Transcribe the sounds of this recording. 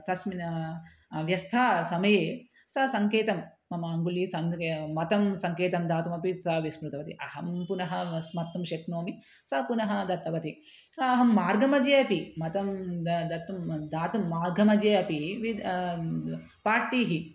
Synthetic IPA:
t̪ɐsminɐ | ʋjɐst̪ʰaːsɐmɐjeː | sɐsɐŋkeːt̪ɐmː | ɐmaːŋɡulisɐŋmɐt̪ɐmsɐŋkeːt̪ɐmd̪aːt̪umɐpisɐʋismɾut̪ɐʋɐt̪ḭʔɐɦɐmpunɐɦɐsmɐt̪ːɐmʃeknoːmi | sɐpunɐɦɐd̪ɐt̪ːɐʋɐt̪i | ɐɦɐmːaːɾɡʱɐmɐd͡ʒeːɐpimɐt̪ɐmd̪ɐɾt̪ːɐmd̪aːt̪umːaːɾɡʱɐmɐd͡ʒeːɐpiʋi | paːɾʈiːɦi

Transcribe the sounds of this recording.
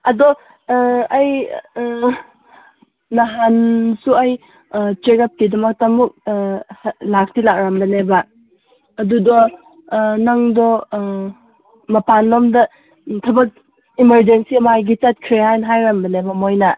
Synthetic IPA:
ɐdɔ | aj | aɦansuaj | t͡ʃekap̚tidɐmak̚tamuk̚ | lak̚tilak̚ɾambɐnebaː | dudɔ | naŋdɔ | mɐpanlɔmdɐ | tʰɐbɐk̚ | imeɾd͡ʒensiɐmajɡit͡ʃat̚kʰɾeɦajnɦajɾambɐnebɐmojna

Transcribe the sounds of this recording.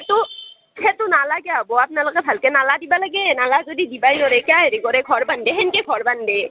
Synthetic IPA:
et̪o | t͡ʃʰet̪onaːlakjaboap̚nɐlkebʰʱɐlkenaːlad̪ibaləɡenaːlad͡ʒod̪id̪ibaːinoɾekjaːɦɛɾikoɾekʰɔɾbɐnd̪eɦenkekʰɔɾbɐnɖ̪eː

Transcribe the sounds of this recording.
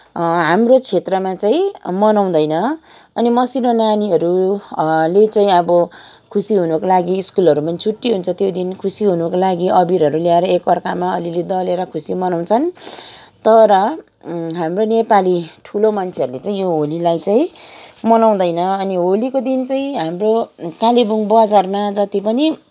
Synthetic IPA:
ɦamrot͡sʰet̪rʌmat͡saĩmʌnaw̃d̪ʌjnʌ | ʌnimʌsinonaniɦʌɾu | let͡saĩʌbʌ | kʰusiɦunukolaɡiːskulʌɾumʌnt͡sʰuʈːiɦunt͡sʰʌt̪jod̪inkʰusiɦunukolaɡiʔʌbiɾɦʌɾuljaeɾʌekʌrkamaʌliled̪ʌleɾʌkʰusimʌnaw̃t͡sʰʌn | t̪ʌɾʌ | ɦamronepaliʈʰulomʌnt͡sʰeʌɾulet͡saĩjoɦolilajt͡saĩmʌnaw̃d̪ʌjnʌʌniɦolikod̪int͡saĩɦamrokalibuŋbʌd͡zarmad͡zʌt̪ipʌni

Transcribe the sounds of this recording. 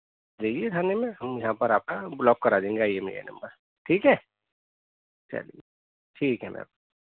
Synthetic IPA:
d͡ʒeiekʰaːnemẽɦɐmjɐɦãpɐɾaːp̚kablɔːkːɐɾad͡ʒãẽːŋɡajemḛjḛːnɐ̰mbəɾ | ʈʰiːkɦɛː | t͡ʃa̰lḭ | ʈʰiːkɦɛm̰a̰p̚a

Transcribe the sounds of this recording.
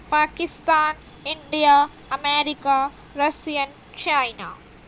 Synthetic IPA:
paːkist̪aːn | iɳɖijaː | ɐmeːɾikaː | ɾɐsijɐn | t͡ʃajnaː

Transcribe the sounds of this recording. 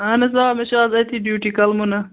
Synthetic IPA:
anezaːmeɕɑːzɐt̪iɖjuʈikɐlmunɐ

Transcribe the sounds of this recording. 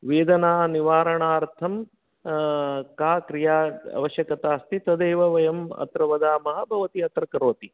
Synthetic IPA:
ʋeːd̪ɐnaːniʋaːɾɐɳaːɾt̪ʰɐm | kaːkɾijaːɐ̰ʋɐʃjɐkɐt̪aːst̪it̪ɐd̪eːʋɐʋɐjɐmɐ̰t̪ɾɐʋɐd̪aːmɐɦɐbʱɐʋɐt̪iɐt̪ɾɐkɐɾoːt̪i

